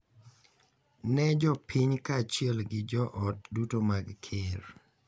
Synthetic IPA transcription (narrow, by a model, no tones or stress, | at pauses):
nɛd͡ʒɔpʰiɲkat͡ʃiɛlɡɪd͡ʒɔʔɔt̚dutomaɡkʰɪɾ